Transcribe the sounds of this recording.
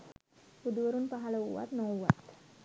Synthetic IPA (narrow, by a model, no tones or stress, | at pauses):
ud̪uəɾunpaɦaləṵwa̰t̪̚nɔ̃uwa̰t̪